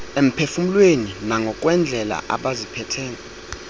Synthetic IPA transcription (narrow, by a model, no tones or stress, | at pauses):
em̩pʰefum̩lweninaŋɡʱɔk̬ʼwɛnd͡ɮʱɛla̰ʔa̰ɓazipʰɛtʰɛːnɛ